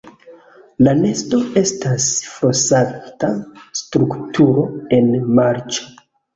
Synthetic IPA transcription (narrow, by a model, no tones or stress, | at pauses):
lane̞sto̞e̞stasfosatastɾuktʰuɾo̞e̞nmaɾt͡ʃo̥